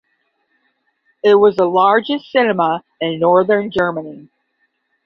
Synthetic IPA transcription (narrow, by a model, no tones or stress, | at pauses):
ɪt̚wʌzəlɑɹd͡ʒɨssɪnəmə | ɪ̃nːɔɹðə̃˞nd͡ʒɜ˞məni